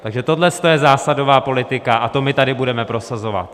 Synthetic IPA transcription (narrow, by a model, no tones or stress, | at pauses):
t̪aɡʒɛt̪o̞dlɛst̪ojɛzaːsado̞vaːpo̞lɪt̪ɪkaʔat̪o̞mɪt̪adɪbudɛmɛpɾo̞sazo̞va̰t̪